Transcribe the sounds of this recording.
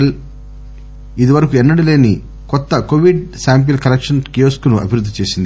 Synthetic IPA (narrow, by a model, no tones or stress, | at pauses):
l | id̪iʋɐɾɐkuɛnːɐɽile̞ːni | kɔt̪ːɐkoʋiɖsaːmp̬ilkɐlekʂɐnkioskunuɐ̰bʱiɾud̪ːit͡ʃe̞ːsind̪